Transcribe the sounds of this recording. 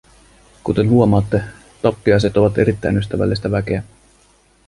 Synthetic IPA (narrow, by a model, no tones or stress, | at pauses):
kut̪e̞nhuo̞mɑːt̪ːe̞ | t̪ɑpːiɑjse̞t̪o̞ʋɑt̪e̞ɾit̪ːæjnyst̪æʋæ̰lːist̪æʋæk̟e̞æ